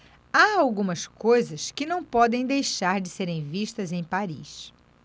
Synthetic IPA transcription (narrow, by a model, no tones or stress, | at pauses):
aawɡũmɐskojzɐskɪnɐ̃w̃pɔd̪ẽj̃d̪ejʃaɾd͡ʒɪseɾẽj̃viʃt̪ɐzẽj̃paɾḭʃ